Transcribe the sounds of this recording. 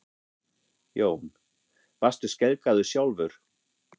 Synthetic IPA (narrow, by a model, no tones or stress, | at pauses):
joːwm | vast̪ʏ̥scɛlkaðʏsjawlvʏɾ̥